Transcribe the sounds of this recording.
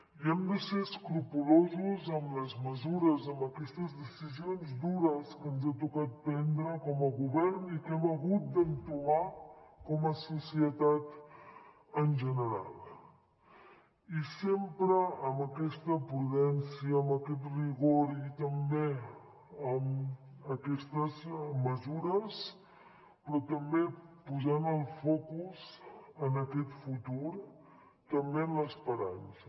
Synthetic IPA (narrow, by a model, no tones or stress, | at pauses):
jɐmd̪iseskɾupuloːzozɐmlɐsmɐzuɾɐzɐmɐkist̪ɐsdisizijonsd̪uːɾaskɐnzet̪̬ukɐt̪̚pend̪ɾakɐmɐɡubɐɾnikemɐɦut̪̚d̪ɐnt̪umakomɐsosijɐt̪at̪ | ɐnd͡ʒɐnɐɾa̰ːl | isempɾəːmbəkɛst̪əpɾuðɛnsiəːmbəkɛt̪riɣoɾit̪əmbe | əməkɛst̪əzməzuɾəs | pɾɔt̪əmbepuzanəlˠfɔkuzənəkɛt̪fut̪uɾ | t̪əmbeəmləspəɾansə